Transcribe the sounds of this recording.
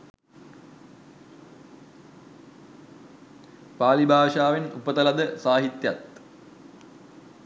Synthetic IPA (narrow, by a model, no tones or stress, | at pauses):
paːlibʱaːʂaːʋenupət̪ɐlɐd̪əsaːɦit̪jɐt̪